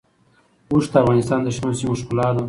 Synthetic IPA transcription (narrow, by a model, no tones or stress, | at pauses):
uʂd̪əafɣɑnɪst̪ɑːnd̪əʃnosimoʃkʊlɑd̪a